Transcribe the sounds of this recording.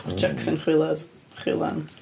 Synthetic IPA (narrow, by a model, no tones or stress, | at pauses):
d͡ʒɛksənχwɪlˠað | χwɪ̰lˠa̰n